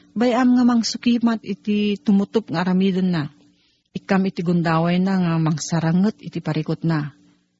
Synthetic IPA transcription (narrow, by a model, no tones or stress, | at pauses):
bajamŋamaŋsukimat̪ḭt̪it̪umut̪up̚ŋaɾamidənːa | ikamit̪iɡund̪awajnaŋamaŋsaɾəŋət̪̚ḭt̪ipaɾikut̪̚na